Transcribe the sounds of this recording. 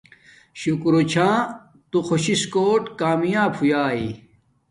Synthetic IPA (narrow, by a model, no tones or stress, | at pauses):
ɕukɾot͡ɕʰãː | t̪uxʰoɕiskoːʈkaːmijaːbʰujaːi